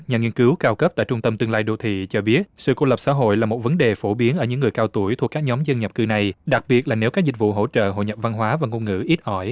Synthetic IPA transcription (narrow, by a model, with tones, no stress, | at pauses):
ɲaː˨˩ŋi˧nkɨ˨˦wkaː˧wkə˦˥p̚t̪a̰ː˧˨jt͡ɕʊ˧ŋ͡mt̪ə˧mt̪ɨ˧əlaː˧jɗo˧t̪ʰḭ˧˨t͡ɕɔ˧ɓi˦˥ət̚sɨ̰˧˨kṵ˧˩lə˨˩p̚sa̰ː˧˥ɦo̰˧˨jlaː˨˩mo˨˩t̚və˨˦nɗe˨˩fo˧˩ɓi˨˦ənʔəː˧˩ɲɨ̰˧˥ŋːɨ˨˩əjkaː˧wt̪u˧˩əjt̪ʰu˨˩əkːaː˦˥k̚ɲɔ˨˦mzə˧nɲə˨˩p̚kɨ˧na˨˩jɗa˨˩k̚ɓi˨˩ət̚laː˨˩ne˨˦wkaː˦˥k̚zï˨˩k̟̚vṵ˧˨ɦo̰˧˥t͡ɕə̰ː˧˨ɦo̰˧˨jɲə˨˩p̚va˧nɦwaː˨˦vaː˨˩ŋo˧nŋɨ̰˧˥ʔi˦˥t̚ʔɔ˧˩j